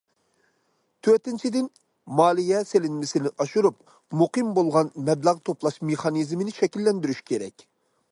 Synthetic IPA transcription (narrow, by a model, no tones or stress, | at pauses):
t̪ʰøɾt̪ɪnt͡ʃʰid̪ɪn | mɑːlˠijɛselɪnmɪsɪnɪʔɑʃuɾup̚ | muqɨmbolˠʁɑnmɛblæʁt̪ʰoplˠɑʃmeχɑnizmɪnɪʃɛkʲilːɛnd̪yɾyʃkʲʰeɾɛ̰kʲ